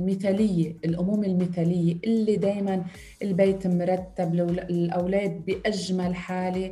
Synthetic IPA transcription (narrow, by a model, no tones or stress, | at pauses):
mɪθalɪjːeʔɪlʔʊmuːmɪlmɪθalɪjːeʔɪlːid̪eːjman | ʔɪlbeːt̪mʊɾˤɑt̪ːabllʔawlaːd̪̚bɪʔaʒmalħaːle